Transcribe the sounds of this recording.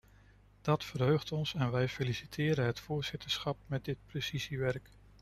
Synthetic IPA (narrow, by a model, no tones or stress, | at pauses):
d̥ɑtfərɦøɥχtɔnsɛnʋɛjfelisitʰɪːɾəɦətfʊːɹz̥ɪtəɹsχɑp̚mɛt̚dɪt̚prəsiziʋɛrk